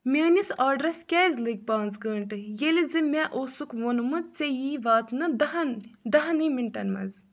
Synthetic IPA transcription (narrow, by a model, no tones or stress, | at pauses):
mʲeːnʲisaːɖɾɐskʲɛːzʲliɡ̚ʲpaːnt͡sɡɐɳʈɨjelʲizɨmʲɛʔosukʋonumɨt͡sejiʋaːt̪nɨd̪ɐɦɐnd̪ɐɦɐnɨmiɳʈɐ̰nmɐ̰z